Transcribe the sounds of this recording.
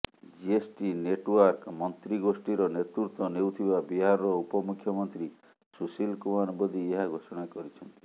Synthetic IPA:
d͡ʒiesʈineʈwaɾkmɔnt̪ɾiɡosʈiɾɔnet̪ɾuɾt̪ɔnewt̪ʰibabiɦaɾɔɔupɔmukʰjɔmɔnt̪ɾi | susilkumanbɔd̪ieɦaɡʱosɔɽ̃akɔɾit͡ʃʰɔnt̪i̥

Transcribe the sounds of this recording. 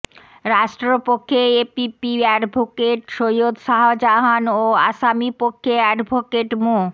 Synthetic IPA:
ɾaʃʈɾopokʰːeepipiɛɖbʱokeʈʃojod̪ʃaɦod͡ʑaɦanoa̰ʃamipokʰːeɛɖbʱokeʈmo

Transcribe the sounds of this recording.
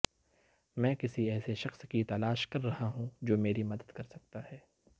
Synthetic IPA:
mɛ̃ːkɪsiɛːseʃɐxskit̪ɐlaːʃkɐɾːɐɦaɦũd͡ʒoːmeːɾimɐd̪əd̪kɐɾsɐk̚t̪aɦɛː

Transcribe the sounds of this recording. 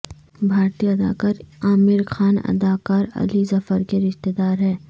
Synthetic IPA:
bʱaːɾt̪ijaɐd̪a̰ːkaːɾaːmɪɾxaːnɐ̰d̪aːkaːɾɐ̰lizɐfəɾkeɾɪʃt̪ed̪aːɾɦɛː

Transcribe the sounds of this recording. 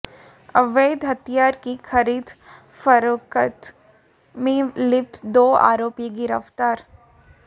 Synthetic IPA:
ɐʋeːd̪ɦɐt̪ijaːɾkikʰɐɾiːd̪ | fɐɾkət̪ | mẽlɪpt̪d̪oːa̰ːɾoːpjəɡɪɾəft̪aːɾ

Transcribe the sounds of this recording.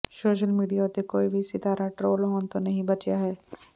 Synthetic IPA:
soːʃ̬əlmiːɖijat̪ekoːibʱisɪt̪aːɾaʈɾoːlɦoːnt̪onɐɦĩbɐt͡ʃjaɦɛː

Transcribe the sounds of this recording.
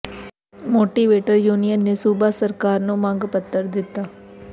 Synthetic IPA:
moːʈiʋeːʈɐɾjuːnɪjɐnːesuːbaːsɐɾkaːɾnumaːŋɡɐpɐt̪ːɐɾd̪ɪt̪ːa

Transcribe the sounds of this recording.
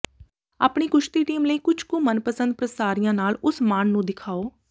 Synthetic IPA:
a̰ːpɳiːkʊʃt̪iːʈiːmləiːkʊd͡ʒʰkõːmənpəsə̃nd̪̚pɾəsaːɾijãːnaːlʊsmaːnnũːd̪ɪkʰaːoː

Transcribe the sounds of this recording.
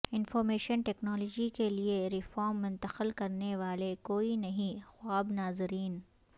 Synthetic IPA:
ɪnfɔːɾmeːʃənʈɛːknɔːlɔːd͡ʒikelieɾɪfɔːɾmːʊ̃nt̪əqəlkɐɾneʋaːlekoːinɐɦĩxʊaːbnaːzɾiːn

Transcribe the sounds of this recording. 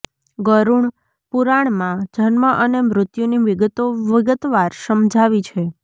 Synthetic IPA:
ɡəɾuɳ | puɾaɳmãd͡ʒʱənməʔənemɾʊt̪juniʋiɡət̪oʋəɡət̪ʋaɾsəmd͡ʒʱaʋit͡ʃʰe

